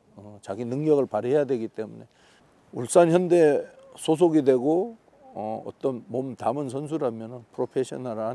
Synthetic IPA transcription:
ʌt͡ɕaɡinɯŋɲʌɡɯɭpaɾɦe̞jadwe̞ɡit͈e̞mune̞ | uɭs͈ançjʌnde̞ | sʰosʰoɡidwe̞ɡo | ʌʌ̰t͈ʌnmomtamɯns̬ʰʌns̬ʰuɾamjʌnɯnpʰɾopʰeɕʰʌnaɾa

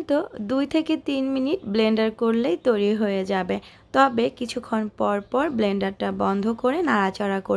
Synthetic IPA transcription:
t̪od̪ujt̪ʰeket̪inminiʈbleɳɖaɾkoɾlejt̪ojɾiɦojed͡ʑabe | t̪ɔbekit͡ɕʰukʰːonpɔɾpɔɾbleɳɖaɾʈabɔnd̪ʱokoɾenaɾat͡ɕaɾakoɾ

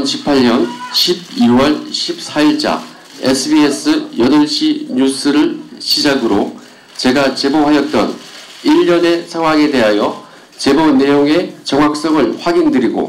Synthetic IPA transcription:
nɕʰi̥pʰaʎɲʌnɕʰib̚iwʌɭɕʰip̚s͈ʰaiɭt͡ɕ͈a̰ | esʰɯbies͈ʰɯjʌdʌɭɕ͈ʰiɲus͈ʰɯɾɯɭɕʰid͡ʑaɡɯɾo | t͡ɕe̞ɡat͡ɕe̞bohajʌt̚t͈ʌn | iʎːʌne̞sʰaŋwaŋe̞de̞ɦajʌ | t͡ɕe̞bone̞joŋe̞t͡ɕʌŋwak̚s͈ʌŋɯɭɸwaɡindɯɾiɡo̰

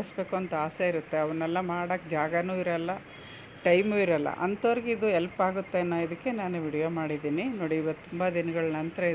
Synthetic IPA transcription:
sbe̞ːkuɐnt̪ɐaːseiɾut̪ːe̞ɐʋɐnːɛlːɐmaːɽɐkd͡ʒaːɡɐnuːiɾɐlːɐ | ʈɐjmuːiɾɐlːɐ̰ʔɐnt̪oɾiɡeid̪uɛlpaːɡut̪ːenːaːid̪ukːe̞naːnuʋiɽijoːmaːɽid̪iːninoːɽiːʋɐt̪ːumbɐd̪inɐɡɐɭɐnɐnt̪ɾɐ

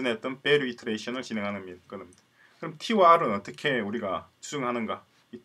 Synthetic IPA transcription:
ɯnɦet͈̚ʌnpe̞ɾɯitʰɯɾeɕʰʌnɯɭt͡ɕinɦe̞ŋɦanɯnmidk͈ɯnɯmda | kɯɾʌmtʰiwaɾɯnʌt͈ʌkʰe̞uɾiɡat͡ɕud͡ʑɯŋɦanɯnɡa | i

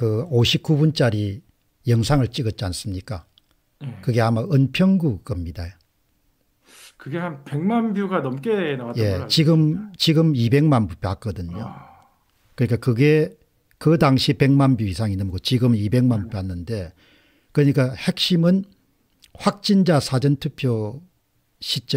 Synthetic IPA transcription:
kɯoɕʰip̚k͈ubunt͡ɕ͈aɾi | jʌŋsʰaŋɯɭt͡ɕ͈iɡʌt̚t͡ɕ͈ians͈ɯmɲik͈a | kɯɡe̞amaɯnpʰjʌŋɡuɡ͈ʌmɲidajo | kɯɡe̞hanpe̞ŋmanbjuɡanʌmk͈enaaje̞t͡ɕiɡɯmt͡ɕiɡɯmibe̞ŋmanbupʲjoak̚k͈ʌdɯɲo | kɯɲik͈akɯɡe̞ | kɯdaŋɕʰipe̞ŋmanbjuisʰaŋinːɯnɡot͡ɕiɡɯmibe̞ŋmanpp͈janːɯnde̞ | kɯɾʌɲik͈ahe̞k̚ɕ͈imɯn | ɸwak̚t͡ɕ͈ind͡ʑasʰad͡ʑʌntʰupʰjo | ɕʰit͡ɕ͈

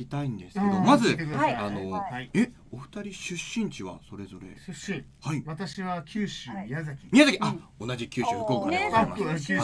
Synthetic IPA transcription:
it̪aĩnd̪e̞sɨ̥ked̪o̞mazɨt̪ekano̞ie̞ | o̞ɸɯ̟̥t̪aɾʲiɕɨɕːĩɲ̟t͡ɕiβa̰so̞ɾe̞zo̞ɾe̞̰ɕihaiβat̪aɕiβakʲɨːɕɨmʲiazakʲi̥mʲijazakʲiʔao̞naʑikʲɨːɕɨhɯ̟koːkaima̰

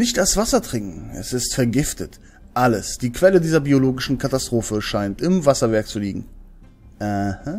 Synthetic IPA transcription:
nɪçtasv̥asɐtʁ̥ɪŋkŋ̩ɛ̰sɪstfɛɐɡɪftʰət | ʔaləsd̥iːkv̥ɛlədiːzɐbioloːɡɪʃn̩kʰatastʁ̥oːfəʃaɪntɪmvasɐvɛɐk̚t͡suliːɡŋ̩ | əhə

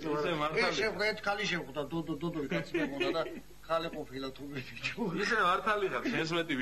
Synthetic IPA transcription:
ɛaɾɛʃɛχd̪aɛɾt̪ʰkʰaliʃɛχd̪ad̪ɔd̪ɔd̪ɔd̪ɔɾikʼat̪sʰmɛmɔd̪ad̪a | kʰaliqʼɔpʰilat̪ʰubid̪kt͡ʃʰɛisɛmaɾt̪ʰaliχasʰɛs̬mɛt̪ʼi

